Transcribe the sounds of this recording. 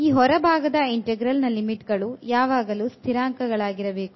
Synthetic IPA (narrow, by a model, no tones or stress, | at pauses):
iːɦɔɾɐbʱaːɡɐd̪ɐiɳʈeɡɾɐlnɐlimiʈɡɐɭujaːʋaːɡɐluːst̪ʰiɾaːŋkɐɡɐɭaːɡiɾɐbe̞ːku